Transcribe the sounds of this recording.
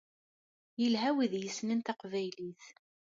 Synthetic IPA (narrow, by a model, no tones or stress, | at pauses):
jəlɦæwiðjəsnənt̪ɑqvæjliθ